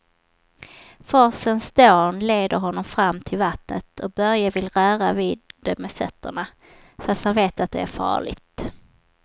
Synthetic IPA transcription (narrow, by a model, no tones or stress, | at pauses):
fœsənsd̪oːnleːd̪əɾɦɔnːɔmfɾamːt̪ʰɪlvat̪nət̪ʰɔk̚bœɾjavɪlɾœːɾavɪːd̪̚d̪ɛmɛfœt̪ʰːəɳa | fast̪hanveːt̪at̪̚d̪ɛæɾfɑ̰ːɭɪ̰ɡt̪